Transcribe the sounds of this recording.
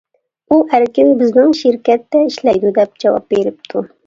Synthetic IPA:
uæɾkʲɪnbɪznɪŋʃɪɾkʲɛt̪ːɛiʃlɛjd̪ud̪ɛp̚d͡ʒɛwɑ̰p̚beɾɪp̚t̪ʰu

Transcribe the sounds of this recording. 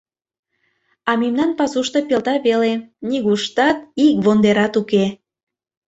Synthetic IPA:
ɑmimnɑnpɑsuʃt̪opelt̪ɑβeleniɣuʃt̪ɑt̪ikβond̪eɾɑt̪uke

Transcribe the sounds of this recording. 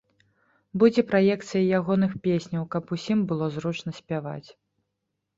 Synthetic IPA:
bud͡zʲɛpɾajɛkt̪sɨjɐjaɣɔn̪ɨxpʲesʲnʲɐwkɐpusʲimbɨlˠɔzɾut͡ʂnɐsʲpʲava̰t͡sʲ

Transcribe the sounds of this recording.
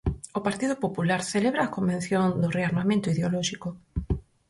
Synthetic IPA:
opaɾt̪iðʊpopulaɾθeleβɾaːkombẽn̟θjond̪ʊreaɾmamẽnt̪ʊiðeolɔʃiko

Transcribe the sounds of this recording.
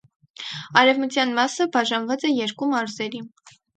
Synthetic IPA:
ɑɾɛvmət͡sʰjɑnmɑsəbɑʒɑnvɑt͡sɛjɛɾkumɑɾzɛɾi

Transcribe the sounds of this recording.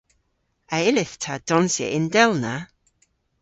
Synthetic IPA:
aɪlɪθtʰad̥ɔnsjə̰ʔɪndɛlˠna

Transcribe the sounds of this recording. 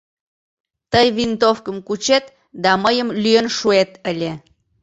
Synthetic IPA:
t̪əjβint̪ofkəmkut͡ɕet̪ | d̪ɑməjəmlyjənʃuet̪əlʲe

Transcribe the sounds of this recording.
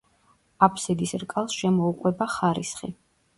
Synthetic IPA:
apʰsid̪isɾkʼalˠsʃɛmɔuqʼwɛbaχaɾisχḭ

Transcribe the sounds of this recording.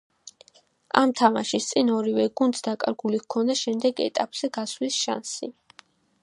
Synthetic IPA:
a̰mt̪ʰama̰ʃist̪sʼinɔɾivɛɡunt̪sd̪akʼaɾɡulikʰɔnd̪aʃɛmd̪ɛɡɛ̰t̪ʼapʼz̥ɛɡaslisʃa̰nsi

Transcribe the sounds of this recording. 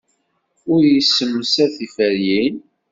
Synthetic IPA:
ʊɾjisːəmːəsæθifəɾjin

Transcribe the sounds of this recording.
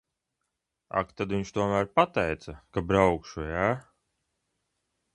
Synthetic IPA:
a̰kt̪ad̪viɲt͡ʃt̪uɔmæɾpat̪ɛjt̪sakabɾawkʃujaː

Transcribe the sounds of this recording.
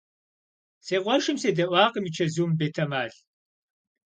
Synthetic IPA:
seːʁʷɔʃɨmseːdɐʔʷaːqəmit͡ʃʰɐzuːmbeːtʰɐmaːɬ

